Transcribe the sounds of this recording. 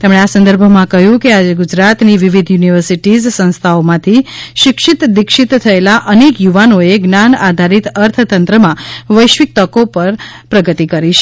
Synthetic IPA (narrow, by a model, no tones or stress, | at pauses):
t̪emɳeasə̃nd̪əɾbʱomãkəɦjũkead͡ʒeɡud͡ʒɾat̪niʋiʋid̪ʱjuniʋəɾsiʈizsə̃nst̪ʰaomãt̪ʰiʃɪkʃit̪d̪ɪkʃit̪t̪ʰːəelaʔənekjuʋanoeɡnanad̪ʱaɾit̪əɾt̪ʰət̪ənt̪ɾəmãʋəjʃʋik̚t̪əkopəɾ | pɾəɡət̪ikəɾiʃe̥